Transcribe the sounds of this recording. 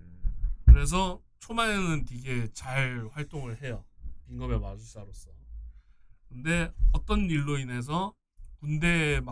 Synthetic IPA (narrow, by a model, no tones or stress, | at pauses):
kɯɾe̞s̬ʰʌ | t͡ɕʰomaenɯntiɡe̞t͡ɕaɭɸwaɭt͈oŋɯɭhe̞jʌpiŋɡʌbe̞mad͡ʑus͈aɾos͈ʌ | kɯnde̞ʌt͈ʌnːiɭːoinɦe̞s̬ʰʌ | kunde̞ma